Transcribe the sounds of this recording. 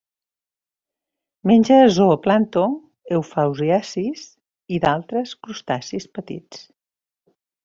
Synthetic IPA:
menʲd͡ʒəːzoəplant̪o | ewfawziasis | iðalˠt̪ɾəskɾust̪asispət̪ḭt͡s

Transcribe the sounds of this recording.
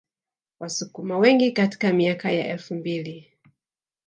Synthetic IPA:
wʔasukumawɛŋɡikati̥kamiakaja̰ʔɛlfumbili

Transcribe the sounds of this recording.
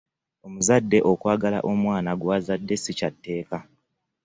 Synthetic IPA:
o̞muzadːe̞ʔo̞kwaːɡala̰ʔo̞mwaːnaɡwazadːe̞sicatːe̞ːka

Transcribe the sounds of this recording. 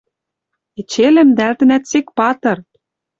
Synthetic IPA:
et͡ɕelɘ̆md̪ælt̪ɘ̆næt̪sek̚pɑt̪ɤ̆r

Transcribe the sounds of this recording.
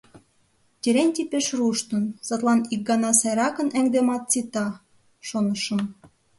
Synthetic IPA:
tʲeɾenʲtʲipeʃruʃt̪ə̆nsɑt̪lˠɑnik̚ɡɑnɑsɑjɾɑkə̆næŋd̪emɑt̪̚t͡sit̪ɑ | ʃonəʃə̆m

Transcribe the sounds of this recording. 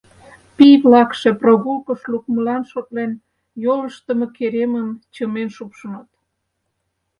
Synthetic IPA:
piβlɑkʃeproɣulkəʃluk̚məlɑnʃot̪len | joləʃt̪əmekeɾemənt͡ɕəmenʃupʃənɑt̪

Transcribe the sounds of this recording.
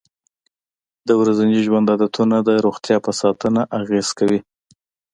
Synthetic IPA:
d̪əwɾazand͡ʒiʒwand̪ad̪at̪unad̪əɾoxt̪jɑpəsɑt̪ənaʔaɣez̥kawi

